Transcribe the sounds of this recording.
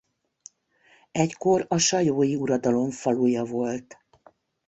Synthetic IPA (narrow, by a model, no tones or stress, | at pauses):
ɛcko̞ɾɒʃɒjoːjiuɾɒd̪ɒlo̞ɱfɒlujɒvo̞lt̪